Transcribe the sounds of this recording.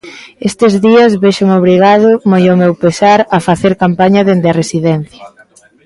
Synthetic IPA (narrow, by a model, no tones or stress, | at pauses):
est̪ɪzðiɐzβeʃoŋoβ̞ɾiɣ̞aðʊmojomewpesaɾɐfaθeɾkampaɲɐðend̪eɐresiðɛn̟θjɐ